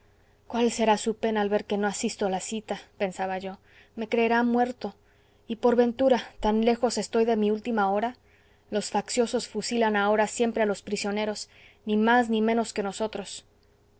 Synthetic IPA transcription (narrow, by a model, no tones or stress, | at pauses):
kwalse̞ɾasupe̞naːlβe̞ɾke̞no̞asist̪olasit̪ape̞nsaβaʝo̞ | me̞kɾe̞ːɾamwe̞ɾt̪o̞ | ipo̞ɾβe̞nt̪uɾat̪anle̞xo̞se̞st̪o̞jðe̞miult̪imaoɾa | lo̞sfaksjo̞so̞sfusilanao̞ɾasje̞mpɾe̞alo̞spɾisjo̞ne̞ɾo̞s | nimaznimẽ̞no̞ske̞no̞so̞t̪ɾo̞s